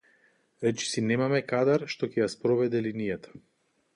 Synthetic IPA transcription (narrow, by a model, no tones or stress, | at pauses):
ɾɛt͡ʃi̥sinɛmamɛkad̪aɾʃt̪ɔcɛjaspɾɔvɛd̪ɛlinijat̪ʰḁ